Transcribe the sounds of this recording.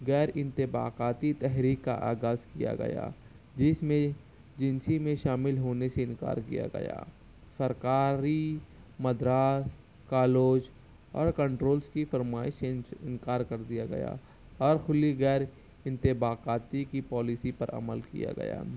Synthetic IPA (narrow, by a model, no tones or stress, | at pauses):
ɣɛːɾɪ̃nt̪ɪba̰ːqaːt̪it̪ɛɦɾiːkːa̰ʔa̰ːɡaːzkija̰ɡɐ̰ja̰ː | d͡ʒɪsmẽ | d͡ʒɪ̃nsimẽʃaːmɪlɦoːneseɪ̃nka̰ːɾkḭja̰ɡɐ̰ja̰ː | sɐɾkaːɾimɐd̪ɾaːs | kaːloːd͡ʒ | ɔːɾkɐ̃ɳʈɾoːlskifɐɾmaːɪʃɪ̰̃nkaːɾkɐɾd̪ijaɡɐ̰ja̰ | ɔːɾxʊliɣɛːɾ | ɪ̃nt̪ɪbaːqaːt̪ikipɔːlɪsipɐɾʔɐ̰məlkḭja̰ɡɐ̰ja̰ː